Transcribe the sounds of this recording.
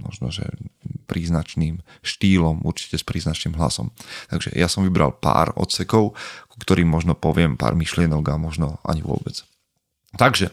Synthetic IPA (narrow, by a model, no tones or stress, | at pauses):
mɔ̰ʒnɔʒɛ̰pɾiːznat͡ʃniːm | ʃt̪iːlɔmuɾt͡ʃi̥cɛspɾiːznat͡ʃniːmɦla̰sɔ̰mt̪aɡʒɛ̰jasɔmʋibɾa̰lˠpa̰ːɾɔ̰t̪sɛkɔʊku̥kt̪ɔɾiːmːɔʒnɔpɔʋɪɛmpa̰ːɾmiʃlɪɛnɔɡamɔʒnɔa̰ɲiʋʊɔ̰bɛt͡s | t̪aɡʒɛ